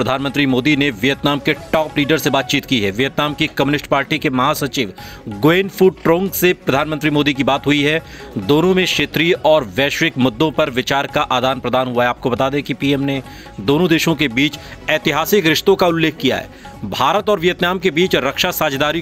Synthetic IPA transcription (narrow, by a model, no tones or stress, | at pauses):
ɾəd̪ʱaːnmə̃nt̪ɾimoːd̪ineʋijət̪naːmkeʈɔːpliːɖəɾsebaːt̪̚t͡ʃiːt̪kiɦɛːʋijət̪naːmkikɐmjunɪsʈpaːɾʈikemɐɦasɐt͡ʃiːʋ | ɡoeːnfuːɖ̚ʈɾõːŋɡsepɾɐd̪ʱaːnmənt̪ɾimoːd̪ik̬ibaːt̪ɦʊiɦɛd̪oːnõmẽʃeːt̪ɾiɔːɾʋɛːʃʋɪkmʊd̪ːõpɐɾʋɪt͡ʃaːɾkaʔaːd̪aːnpɾɐd̪aːnɦuaɦɛaːp̚kobɐt̪aːd̪ẽkipiːɛːmne | d̪oːnõd̪eːʃõkebiːt͡ʃɛːt̪ɪɦaːsɪkɾɪʃt̪õkaʊlːeːkʰːija̰ɦɛ̰ː | bʱaːɾət̪ɔːɾʋijət̪naːmkebiːt͡ʃɾɐkʃasaːd͡ʒd̪aːɾi